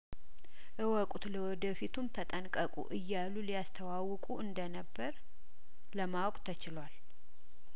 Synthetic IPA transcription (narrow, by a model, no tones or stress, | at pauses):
ʔɨwɔkʼut̪ləwɔd̪əfit̪ʰumt̪ʰət̪ʼənkʼəkʼṵʔɨjːalːulijast̪ʰəwawɨkʼuɨnd̪ənəbːəɾ | ləmawɔkʼt̪ʰət͡ʃɪlwal